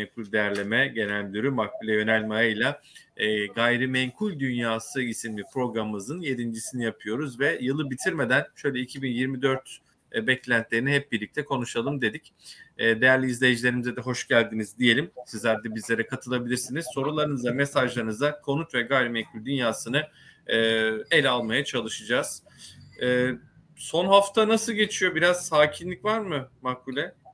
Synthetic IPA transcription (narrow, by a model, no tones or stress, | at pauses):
ɛkʰulʲd̪ejæɾlʲe̞mɛɟe̞nælʲd̪yɾymak̚bilʲɛjø̞nælʲmajajlʲˠa | ɡajɾimɛɲkʰulʲd̪ynjaːsɯisimlʲipɾo̞ɡɾamɯzɯnje̞d̪ind͡ʒisinijapʰɯjo̞ɾuzvɛjɯlˠɯbit̪ʰiɾme̞d̪ænʃø̞jlʲɛicʰibinjiɾmid̪ø̞ɾt̪ | bɛclʲænt̪lʲeɾiniɦɛp̚biɾlʲic̚t̪ʰɛkʰo̞nuʃalˠɯmd̪e̞d̪icːd̪e̞jæɾlʲiizlʲe̞jid͡ʒilʲe̞ɾimizɛd̪ɛɦo̞ʃɟælʲd̪inizd̪ije̞lʲimsizlʲæɾd̪ɛbizlʲe̞ɾɛkʰat̪ʰɯlˠabilʲiɾsiniz̥so̞ɾulˠaɾɯnɯzamesaʒlˠaɾɯnɯzakʰo̞nut̪vɛɡaːlʲimekʰylʲd̪ynjaːsɯnɯː | ɛlʲalˠmajat͡ʃʰalˠɯʃɯd͡ʒaz̥ː | so̞nɦaft̪ʰanasɯlˠɟe̞t͡ʃʰijo̞biɾazsaːcʰinlʲicvaɾmɯmakulʲɛ